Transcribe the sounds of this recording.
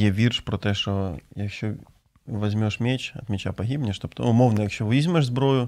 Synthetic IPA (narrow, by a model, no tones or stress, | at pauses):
jɛʋʲirʃpɾɔt̪ɛʃɔjɐkʃt͡ʃɔ | ʋɐzʲmʲɔʂmʲɛt͡ʃɐ̰t̪mʲɛt͡ʃapɐɦʲibnʲɪʃt̪ɔpt̪ʊmɔwnɐjɐkʃʲt͡ʃɔʋizʲmɛʒzbɾɔjʊ